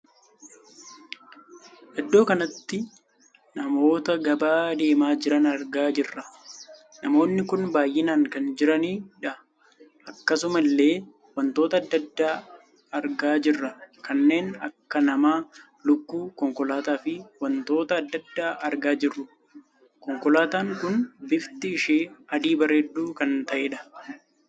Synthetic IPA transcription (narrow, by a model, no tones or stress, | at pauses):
ʔɛd̪ːo̞ːkɐnɐt̪ːɪ | nɐmo̞ːt̪ɐɡɐbaːd̪e̞ːmaːd͡ʒɪɾɐnɐɾɡaːd͡ʒɪrːɐ | nɐmo̞ːnːɪkʊnbaːjʔɪnaːŋkɐnd͡ʒɪɾɐniːᶑɐ | ʔɐkːɐsʊmɐlːe̞ː | wɐnt̪o̞ːt̪ɐːd̪ːɐd̪ːaː | ɐɾɡaːd͡ʒɪrːɐkɐnːe̞ːnɐ̰kːɐnɐmaː | lʊkːuːkɔŋkɔlaːt̪aːfɪwɐnt̪o̞ːt̪ɐːd̪ːɐd̪ːaːʔɐɾɡaːd͡ʒɪrːʊ | kɔŋkɔlaːt̪aːŋkʊnbɪft̪ɪːʃeːɐd̪iːbɐreːd̪ːuːkɐnt̪ɐʔeːᶑɐ̥